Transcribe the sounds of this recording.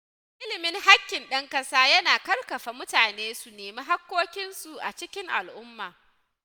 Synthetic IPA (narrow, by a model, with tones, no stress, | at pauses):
ʔɪ˦lɪ˨mɪ˦ŋha˦kʲːɪ˨nɗɐ˦ŋkɐ˦saː˦jɐ˦naː˨kɐ˦rkɐ˨ɸa˨mʊ˦taː˨neː˦su˨neː˨miː˦ɦa˦kːoː˦kʲɪ˦nsu˨ʔa̰˨t͡ʃɪ˦kʲɪ˦ŋʔa˨lʔʊ˦mːaː˨